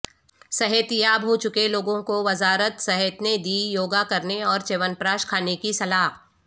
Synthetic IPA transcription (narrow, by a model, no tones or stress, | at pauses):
sɐɦət̪jabɦoːt͡ʃʊkeloːɡõkoʋɐzaːɾət̪sɐɦət̪ned̪iːjoːɡakɐɾneɔːɾt͡ʃeːʋənpɾaːʃkʰaːnekisɐlaːɦ